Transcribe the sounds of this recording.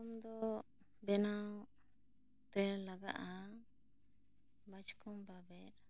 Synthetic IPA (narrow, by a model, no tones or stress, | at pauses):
ɔmd̪ɔ | bɛnaw | t̪ɛɾlaɡa̰ʔa | bat͡ʃkɔmbabɛɾ